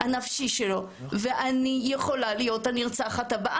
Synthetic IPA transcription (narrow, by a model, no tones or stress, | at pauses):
anafʃiʃelo̞ | ve̞ʔanijeχo̞lalijo̞taniʁt͡saχatabaʔ